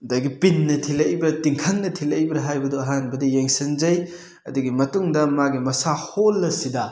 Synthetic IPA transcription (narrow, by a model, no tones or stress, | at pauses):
dajɡipinːɐtʰilɐjbɐtiŋkʰɐŋnɐtʰilɐjbɐɾɐɦajbɐdoɐɦanbɐdɐjeŋsɐnzɐj | ɐ̰duɡimɐtuŋdɐmaɡimɐsaholːɐsidɐ